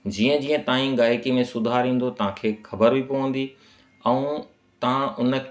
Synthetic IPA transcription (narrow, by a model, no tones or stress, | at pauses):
d͡ʑiːə̃d͡ʑiːə̃t̪aːĩɠaːekimẽsʊd̪ʱaːɾĩːn̆d̪ot̪ɐʋ̤ãkʰeːxɐbəɾbʱipoʋə̃n̆d̪i | ɛ̃ũ | t̪ɐ̤ãʊnə̆